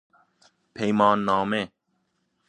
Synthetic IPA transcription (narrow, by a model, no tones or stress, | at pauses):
pʰejmãːnːaːmẽː